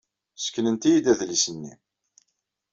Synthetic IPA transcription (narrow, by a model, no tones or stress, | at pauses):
sə̥kːnənt̪ijid̪æðlisənːḭ